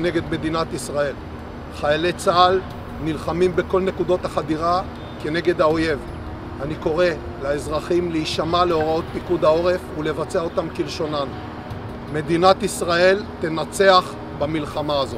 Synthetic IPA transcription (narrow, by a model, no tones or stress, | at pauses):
ne̞ɡe̞d̪me̞d̪inat̪isʁae̞l | χajalet͡saal | nilχamimbeko̞lne̞kudo̞t̪haχad̪iʁa | ke̞ne̞ɡe̞d̪hao̞je̞v | aniko̞ʁe̞ | laezʁaχimleiʃamale̞o̞ʁao̞t̪̚pikud̪ao̞ʁe̞fule̞vat͡seao̞tamkilʃo̞nan | me̞d̪inat̪isʁae̞lt̪e̞nat͡se̞aχ | bamilχamaːzo